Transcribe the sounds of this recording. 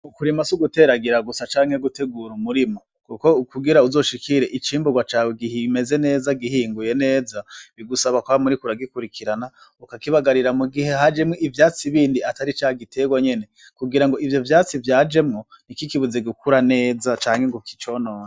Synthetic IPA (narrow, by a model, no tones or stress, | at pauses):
ukuɾimasuɡute̞ɾaɡiɾaɡusat͡ʃaːŋ̥heɡute̞ɡuɾumuɾimo | kuko̞ukuɡiɾauzo̞ʃikʰiɾe̞ʔit͡ʃiːmbuɡwat͡ʃaweɡihime̞ze̞ne̞ːzaɡihiːŋɡuje̞ne̞ːzaβiɡusaβakwamuɾikuɾaɡikuɾikiɾana | ukakiβaɡaɾiɾamuɡihehad͡ʒe̞mŋoʔivjaːt͡siβiːndiataɾit͡ʃaːhaɡitʰe̞ɡwaɲe̞ne̞ | kuɡiɾaŋɡo̞ʔivjo̞vjaːt͡sivjaːd͡ʒe̞mŋo | nikikiβuzeɡukuɾane̞ːzat͡ʃaːŋheŋɡoki̥t͡ʃonoːne